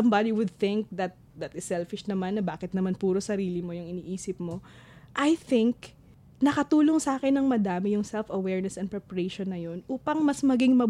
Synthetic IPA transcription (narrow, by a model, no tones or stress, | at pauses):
ɐmbad̪iwʊd̪̚θɪŋk̚d̪ɐt̪̚d̪ɐt̪ɪsːɛlfɪʃnɐmanːɐbaːkɪt̪̚nɐmanpuːɾosɐɾiːlɪmo̞jʊŋɪniːʔiːsɪp̚mo̞ | ʔɐjθɪŋk | nɐkɐt̪uːlo̞ŋsʔaːkɛnːɐŋmɐd̪aːmɪjʊŋsɛlfɐwɛɹnɛsɛnpɾɛpɐɹejʃonːɐjo̞nʔuːpɐŋmɐsmɐɡɪŋmɐ